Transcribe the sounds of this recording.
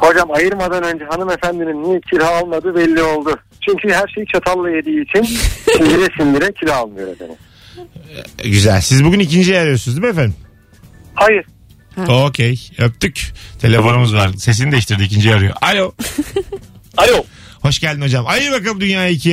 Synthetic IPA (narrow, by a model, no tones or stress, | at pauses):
ho̞d͡ʒamajɯɾmad̪anø̞nd͡ʒɛɦanɯme̞fænd̪iminːicʰiɾʲɦaalˠmad̪ɯbɛlʲːio̞lˠd̪ʊ | t͡ʃʰyɲcʰyɦæɾʃejt͡ʃʰat̪ʰalˠːajed̪iːt͡ʃʰinsind̪iɾɛsind̪iɾɛcʰilʲhaalˠmɯjoɾefḛnḭm | ɟyzælʲsizbuɟʲynic̬ind͡ʒijaɾɯjosunuzd̪mefenim | hajɯɾ̥ | ocʰejap̚t̪yct̪ʰe̞lʲe̞fo̞numuzvaɾse̞s̬inid̪ɛʃt̪iɾd̪iːcʰind͡ʒijaɾɯjo̞̰ʔalʲo | alʲoho̞ʃɟælʲd̪ino̞d͡ʒamajɯɾbakalˠɯmd̪ynjaːjaicʰi